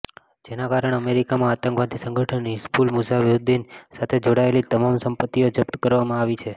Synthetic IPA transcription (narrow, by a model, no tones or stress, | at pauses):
d͡ʒenakaɾəɳəmeɾikamãat̪ə̃ŋkʋad̪isəŋɡʱəʈʰəniskulmusaʋud̪insat̪ʰed͡ʒoɽaelit̪əmamsəmpət̪ːiod͡ʒəp̚t̪əkəɾʋamãaʋit͡ʃʰe